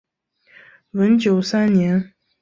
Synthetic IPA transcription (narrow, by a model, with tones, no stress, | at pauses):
wə˧˥nt͡ɕjo˨˩ʊsa˥nnjɛ˧˥n